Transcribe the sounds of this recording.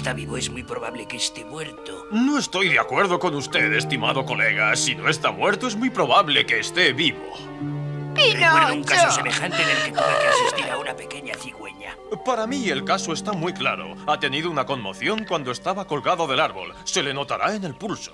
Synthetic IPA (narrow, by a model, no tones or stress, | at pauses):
st̪aβiβoezmwuijpɾoβaβle̞keːst̪emweɾt̪ono̞e̞st̪o̞jðeakwe̞ɾðo̞ko̞nust̪e̞ðe̞st̪imaðo̞ko̞le̞ɣ̞asino̞e̞st̪amwe̞ɾt̪oe̞zmwijpɾo̞βaβle̞ke̞ːst̪e̞βiβo̰ | inonũŋkaessemexant̪enelkepokaasist̪iɾaunape̞ke̞ɲaθiɣwḛɲa̰paɾamie̞lkaso̞e̞st̪amwikla̰ɾo̞̰at̪e̞niðounako̞nmo̞θjo̞ŋkwand̪o̞e̞st̪aβako̞lɣaðo̞ðe̞laɾβo̞̰lse̞le̞no̞t̪aɾae̞ne̞lpulso̞̥